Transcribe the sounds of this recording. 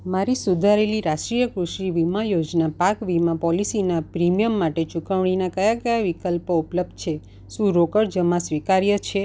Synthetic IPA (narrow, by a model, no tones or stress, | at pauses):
maɾisud̪ʱaɾeliɾaʃʈɾijəkɾuʃiʋimajod͡ʒnapakʋimãpɔlisinapɾimijəmːaʈet͡ʃukəʋɽ̃inakəjakəjaʋikəlpoupləb̚d̪̚ʱt͡ʃʰe | ʃũɾokəɽd͡ʒəmãsʋikaɾjət͡ʃʰe